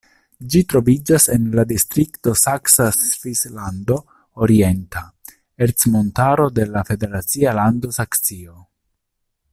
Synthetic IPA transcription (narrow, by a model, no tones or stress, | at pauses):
d͡ʒitɾo̞vid͡ʒasenladistɾikto̞saksasvislando̞ | oɾie̞nta | eɾt͡smo̞ntaɾo̞de̞lafe̞de̞ɾat͡sialando̞saksio̞